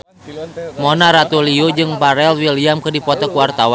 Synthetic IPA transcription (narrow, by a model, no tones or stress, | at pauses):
mɔnaɾat̪uliod͡ʒɨŋbaɾɛlwiliamkɨrdipɔt̪ɔkuwart̪awan